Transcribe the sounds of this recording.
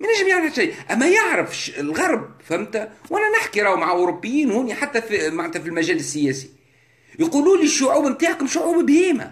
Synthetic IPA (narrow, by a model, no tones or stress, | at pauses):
mænæʒːɪmjaʕɾʃajʔæmːæjɪʕɾəfʃlɣɑɾˤb̚fæmt̪æwʔænænɪħkiɾˤɑːmaʕaʔʊɾʊpːɪjːiːnhʊniħat̪ːæfimaʕnːt̪æfilmæʒæːlɪsːɪjæːsi̥ | jquːluːnliʃːʊʕuːbmt̪aːʕkʊmʃʊʕuːbbhiːmæ̰